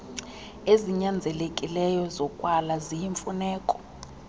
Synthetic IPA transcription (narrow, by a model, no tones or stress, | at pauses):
eziɲand͡zʱɛlekʼilɛjɔzɔkʼwalazijiɱfunɛːkʼɔ̥